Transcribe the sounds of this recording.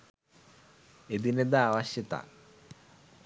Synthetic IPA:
ed̪ined̪aaːʋɐɕjɐt̪a̰

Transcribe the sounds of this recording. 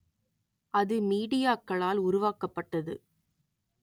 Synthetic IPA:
ʔɐðɯmiːɽɪjaːkːɐɭaːlʊɾʊʋaːkɐpːɐʈːɐðɯ̰

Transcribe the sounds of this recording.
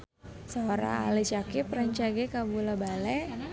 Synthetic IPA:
saoɾa̰a̰lit͡ʃakɪpraɲt͡ʃaɡɛkabulabalɛ

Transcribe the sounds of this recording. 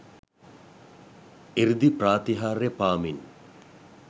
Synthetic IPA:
iɾd̪ipraːt̪iɦaːɾepaːmin

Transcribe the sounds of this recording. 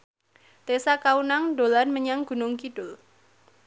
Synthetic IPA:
t̪esakaunaŋɖo̤lanməɲaŋɡ̥ṳnʊŋkidʊl

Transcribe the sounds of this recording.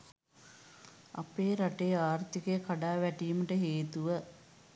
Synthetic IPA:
a̰peːɾaʈejaːrt̪ikekaɖaːʋæʈiːməʈəɦeːt̪uʋə

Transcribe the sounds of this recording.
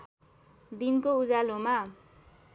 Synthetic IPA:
d̪inkoud͡zaloma

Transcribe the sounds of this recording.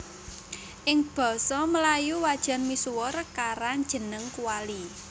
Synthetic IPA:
ʔɪŋb̥ɔ̤sɔməlajuwad̥ʒ̥a̤nmisuwʊrkaɾand͡ʒ̥ə̤nəŋkuwali

